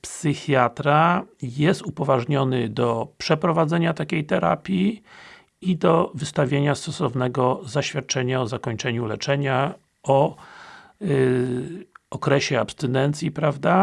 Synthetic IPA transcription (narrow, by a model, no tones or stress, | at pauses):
psɘxjat̪ɾajɛst̪upɔvaʐɲɔnɘd̪ɔpʂɛpɾɔvad̪zɛɲat̪akʲejt̪ɛɾa̰pʲji | id̪ɔvɘst̪avʲjeɲast̪ɔsɔvnɛɡɔzaɕfʲjat̪̚t͡ʂɛɲaɔzakɔɲt͡ʂɛɲulɛt͡ʂɛɲa | ɔ | ɔkɾɛɕɛapst̪ɛnɛnt̪sʲjipɾavd̪a